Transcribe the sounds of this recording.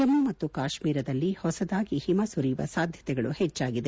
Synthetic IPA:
ɐmumɐt̪ːukaːʃmiːɾɐd̪ɐlːihɔsɐd̪aːɡihimɐsuɾijuʋɐ̰saːd̪ʱjɐt̪ɛɡɐɭuhɛt͡ʃːaːɡid̪e

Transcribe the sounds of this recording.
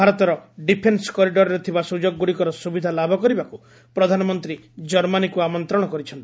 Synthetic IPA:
bʱaɾɔt̪ɔɾɔɖipʰensɔ̥kɔɾiɖɔɾɔɾet̪ʰibasud͡ʒɔɡːuɽikɔɾɔsubid̪ʱalabʱɔkɔɾibaku | pɾɔd̪ʱanɔmɔnt̪ɾi | d͡ʒɔɾmanikuamɔnt̪ɾɔɽ̃ɔkɔɾit͡ʃʰɔnt̪i

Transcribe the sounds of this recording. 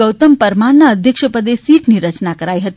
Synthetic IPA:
əwt̪əmpəɾmanəəd̪ʱjəkʂəpəd̪esiːʈniɾət͡ʃnakəɾajɦət̪i

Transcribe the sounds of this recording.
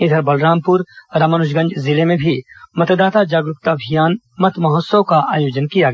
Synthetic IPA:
ɪd̪ʱəɾbɐlɾaːmpʊɾɾaːmənʊʃɡɐ̃nd͡ʒzɪlemẽbʱimɐt̪d̪aːt̪ad͡ʒaːɡɾʊkt̪abʱijaːn | mɐt̪mɐɦot̪səwkaʔaːjoːd͡ʒənkijaɡɐ

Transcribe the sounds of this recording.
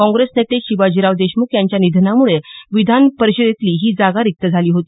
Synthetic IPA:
kɔ̃ŋɡɾesnet̪eɕibad͡ʑiɾaʋd̪eɕmukjaɲt͡ɕjanid̪ʱnamuɭeʋid̪ʱanpəɾɕəd̪et̪liːɦiːd͡zaɡaɾik̚t̪əd͡zʱaliːɦot̪iː

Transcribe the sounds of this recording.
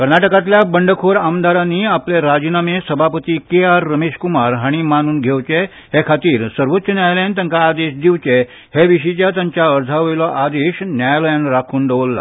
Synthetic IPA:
kəɾnaʈəkãt̪ljabəɳɖəkʰoɾamd̪aɾanːiːapleɾad͡ʑnamesəbʱapət̪iːkeaɾːəmeɕkumaɾɦaɽ̃imanuːnɡʱeʋt͡ɕe | hekʰat̪iːɾsəɾʋət̪ːɕənjajləjant̪ãŋkaːd̪eɕd̪iʋt͡ɕe | heʋiɕ̬it͡ɕjat̪jãɲt͡ɕjaəɾd͡z̪ʱaʋəjlɔʔad̪eɕnjajləjanɾakʰuːnɖeʋlːa̰

